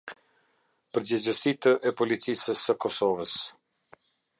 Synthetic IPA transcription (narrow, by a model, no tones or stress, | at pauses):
pəɾd͡ʑəd͡ʑəsit̪əʔɛpɔlit͡sisəsːəkɔsɔvəs